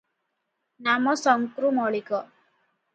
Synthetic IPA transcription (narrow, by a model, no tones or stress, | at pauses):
namɔsɔŋkɾumɔɭikɔ